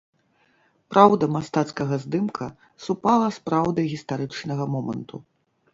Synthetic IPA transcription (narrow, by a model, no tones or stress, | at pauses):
pɾawd̪ɐmast̪at̪skɐɣɐzd̪ɨmkʰɐ | supalˠɐspɾawd̪ɨjɣʲist̪aɾɨt͡ʂnɐɣɐmɔmɐ̰nt̪ṵ